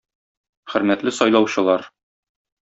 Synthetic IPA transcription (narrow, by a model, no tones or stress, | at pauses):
χɘ̆ɾmæt̪lɘsɒjlˠɑwɕɤ̆lˠɑɾ